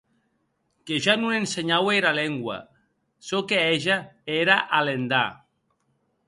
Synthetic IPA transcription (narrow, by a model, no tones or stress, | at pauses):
keʒanuenseɲaweɾaleŋɡwa̰ | sokeeʒaeɾaʔalend̪a